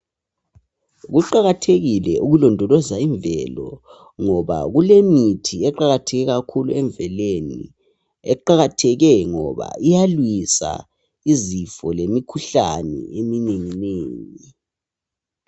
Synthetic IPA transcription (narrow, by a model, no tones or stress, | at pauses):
ɣuǃaɣatʰeɣilɛʔuɣulɔndʱɔlɔzaiɱbvɛlɔ̰ | ŋɔβa̰ɣulemitʰiɛǃaɣatʰɛɣɛɣakʰuluɛɱbvɛlenḭ | ɛǃaɣatʰɛɣɛŋɔβa̰ijalwisa̰ | izifɔlemikʰuɬa̰nɛ̰emineŋineːŋi